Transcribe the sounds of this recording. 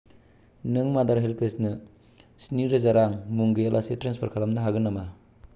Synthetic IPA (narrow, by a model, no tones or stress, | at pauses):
nɯŋmadaɾɦelpʰesnɯ | sniɾɐzaɾaŋmuŋɡijalʔasetɾenspʰaɾkʰalɐmnɐɦaɡɯnːama